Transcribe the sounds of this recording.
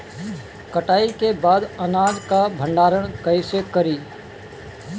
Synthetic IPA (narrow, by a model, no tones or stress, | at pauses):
kəʈaːikebaːd̪ɐnaːd͡ʒkabʱə̃ɳɖaːɾəɽ̃kəɪsekəɾiː